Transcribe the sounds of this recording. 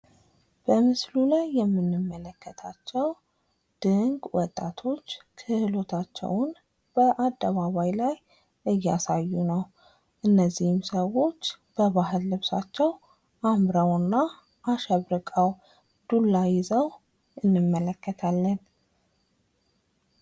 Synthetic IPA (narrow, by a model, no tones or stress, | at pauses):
b̥əmɨslulajːɛmːɨnːɨmːələkːət̪ʰat͡ʃːɛw | d̪̥ɨŋɡwɔt̪ʼːat̪ʰo̞t͡ʃːkʰɨhɨlo̞t̪ʰat͡ʃːɛ̰wʊn | b̥əʔad̪ːəβaβajlaj | ʔɨjːasajːunəw | ʔɨnːəzːihɪmsəwo̞t͡ʃː | b̥əβaɦɨlːɨβsa̰t͡ʃːɛw | ʔamɾəwɨnːa | ʔːʃɛβɾɨkʼəw | d̪̥ulːajɪzəw | ɨnːɨmːələkːət̪ʰalːən